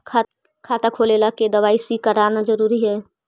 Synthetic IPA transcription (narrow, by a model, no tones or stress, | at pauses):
kʰaːt̪akʰolelaked̪əʋaːisikəɾanad͡ʒəɾuɾiɦɛː